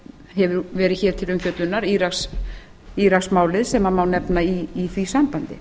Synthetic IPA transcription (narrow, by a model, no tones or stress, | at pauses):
hɛvʏɾvɛːɾɪçɛːɾ̥t̪ʰɪlʏmfjœt̪lʏnːaɾiɾaks | iɾaksmaːwlɪðsɛmaðmaːwnɛpnaiːθvisampant̪ɪ̰